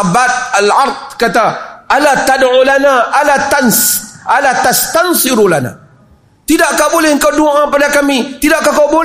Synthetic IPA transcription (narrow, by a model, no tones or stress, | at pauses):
bat̪̚alaɾt̪̚kat̪aʔalat̪adʕulanaʔalat̪ansʔalat̪ast̪ansɪɾulana̰ | t̪idaʔkabolɛhəŋ̩kawduaŋapadakamit̪idaʔkakawbol